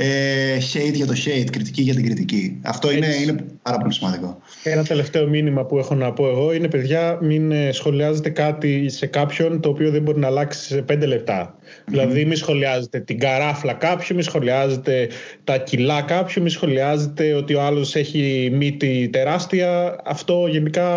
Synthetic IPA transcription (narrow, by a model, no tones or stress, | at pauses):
eçejt̪ʝɐt̪o̞çejt̪kɾit̪i̥ciʝɐt̪̬iɡɾit̪iciɐ̰ft̪o̞ineinepɐɾɐpo̞lisimɐnd̪iko̞ | enɐt̪e̞le̞ft̪e̞o̞minimɐpue̞xo̞nɐpo̞e̞ɣo̞ine̞pe̞ðʝɐminsxo̞liɐze̞t̪e̞kɐt̪ise̞kɐpço̞nt̪o̞ːpio̞ðembo̞ɾinɐːlɐksi̥se̞pe̞nd̪e̞le̞p̚t̪ɐ | ðilɐðimisxo̞liɐze̞t̪e̞t̪iɡɐɾɐflɐkɐpçumisxo̞liɐze̞t̪e̞t̪ɐcilɐkɐpçumisxo̞liɐze̞t̪e̞o̞t̪io̞ɐlo̞se̞çimit̪it̪e̞ɾɐst̪iɐɐft̪o̞ʝe̞nikɐ